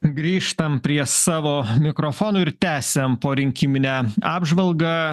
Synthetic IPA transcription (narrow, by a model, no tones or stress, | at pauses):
ɡɾʲiːʃt̪ɐmpʲɾʲiɛsɑːʋoːmʲɪkɾofoːnoːɪɾt̪ʲæːsʲɛmpoːɾʲɪŋʲkʲiːmʲɪnʲæːɑːbʒʋɐlˠɡɑː